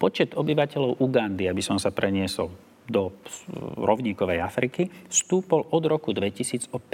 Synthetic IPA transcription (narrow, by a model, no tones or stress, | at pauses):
pɔt͡ʃɛd̪ɔbiʋacɛʎɔʊʔuɡand̪iabisɔmsapɾʔɛɲɪɛsɔ̰l | d̪ɔ | ɾɔʊɲiːkɔʋɛjafɾikist̪uːpɔlʔɔd̪ɾɔkud̪ʋɛcisiːd͡zɔp